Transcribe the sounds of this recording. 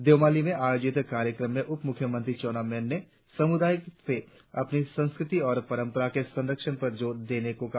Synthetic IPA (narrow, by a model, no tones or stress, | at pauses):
d̪eːmaːlimẽaːjoːd͡ʒɪt̪kaːɾjəkɾəmːẽʔʊpmʊkʰjəmə̃nt̪ɾit͡ʃoːnamɛnːe | sɐmʊd̪aːjəkse | ɐpnisɐ̃nskɾɪt̪iɔːɾpɐɾə̃mpəɾakesɐ̃nɾəkʃəɽ̃pɐɾd͡ʒoːɾd̪eːnekõka